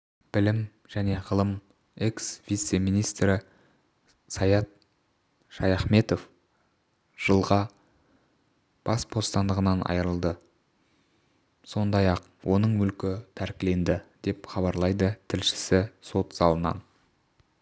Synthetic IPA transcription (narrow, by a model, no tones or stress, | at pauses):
b̥ɪlɪm | ʒ̥æne̞ʁəlˠəm | e̞ksvijt̪se̞mijnijst̪ɾɪ | sɑjɑt̪̚ | ʃɑjɑχme̞t̪o̞f | ʒ̥əlˠʁɑ | b̥ɑsbo̞st̪ɑnd̪əʁənɑnʔɑ̰jɾəlˠd̪ə | so̞nd̪ɑjɑq | wʔo̞nəɴwɵlkʲɪt̪ʰæɾkʲɪle̞nd̪ɪd̪e̞pχɑbɑɾlˠɑjd̪ət̪ʰɪlʃɪ̥sɪso̞t̪sɑlˠənɑ̰n